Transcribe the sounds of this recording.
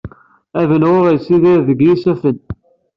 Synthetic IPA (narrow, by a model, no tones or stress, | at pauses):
ævənʁʊʁæjsiðæɾðəɡjisæfən